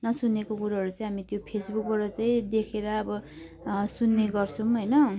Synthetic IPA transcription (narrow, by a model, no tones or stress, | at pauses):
nʌsunːekokuɾaɦʌɾut͡sʌĩɦamit̪jopʰesbuk̚bʌɾʌt͡sʌj̃d̪ekʰeɾʌːbʌ | sunːeɡʌrt͡sʰʌ̃mɦojnʌ